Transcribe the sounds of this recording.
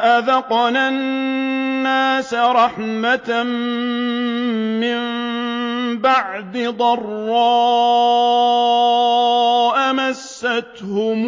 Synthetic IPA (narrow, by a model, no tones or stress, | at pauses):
ʔaðɑqnannːaːsaɾˤɑħmat̪ | ɪmm | baʕd̪ɪd̪ˤɑrˤːɑː | ʔamasːat̪hʊm